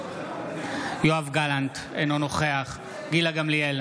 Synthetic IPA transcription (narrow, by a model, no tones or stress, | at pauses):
joavɡalant | ḛnonoχe̞aχ | ɡilaɡamlijel